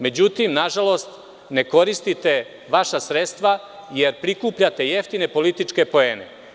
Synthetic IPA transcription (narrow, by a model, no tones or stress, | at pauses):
me̞d͡ʑut̪imnaʒalo̞st̪ | ne̞ko̞ɾist̪it̪e̞ | ʋaʃasɾet̪st̪ʋa | jeɾpɾikuːpʎat̪e̞jeft̪ine̞po̞lit̪it͡ʂke̞po̞eːne̞̰